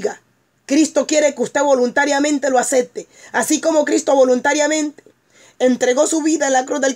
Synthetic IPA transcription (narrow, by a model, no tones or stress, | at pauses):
ɣa | kɾist̪o̞kje̞ɾe̞keust̪e̞βo̞lunt̪aɾjamẽ̞nt̪e̞loasep̚t̪easiko̞mo̞kɾist̪o̞βo̞lunt̪aɾjamẽ̞nt̪e̥ | ent̪ɾe̞ɣo̞suβiðaenlakɾuzðe̞l